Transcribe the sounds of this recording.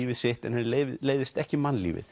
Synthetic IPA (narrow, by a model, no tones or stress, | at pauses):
iːvɪðsɪht̪ɛ̰nhɛeleːjðɪst̪ɛhcɪmanlḭːvɪ̰θ